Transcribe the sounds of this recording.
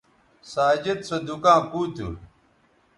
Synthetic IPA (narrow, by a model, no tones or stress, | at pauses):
saːd͡ʑet̪sɐd̪ukãːkuːt̪ṵ